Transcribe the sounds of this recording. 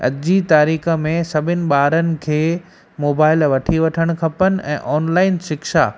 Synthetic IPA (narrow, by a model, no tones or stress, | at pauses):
ɐ̰d͡ʑit̪aːɾiːxə̆mẽsɐbʱɪnɪ̆ɓaːɾənɪ̆kʰeː | moːbaːɪlʋɐʈʰiʋɐʈʰəɽ̃kʰɐpənɪ̆ʔɛ̰̃ːʔɔːnlaːɪnʃɪkʃa̰ː